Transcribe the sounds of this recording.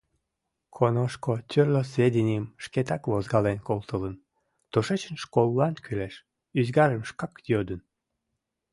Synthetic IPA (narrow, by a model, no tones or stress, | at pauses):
kʰonoʃkot̪ʲørlos̬vʲed̪ʲenʲiəmʃket̪ɑkvozɡɑlenkolt̪ələn | t̪oʃet͡ɕənʃkolˠːɑnkʰyleʃ | yzɡɑɾəmʃkɑkjød̪ən